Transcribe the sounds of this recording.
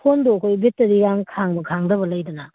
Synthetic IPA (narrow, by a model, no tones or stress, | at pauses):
pʰondoɐkʰojbitːɐɾijaŋkʰaŋbɐkʰaŋdɐbɐlɐjdɐna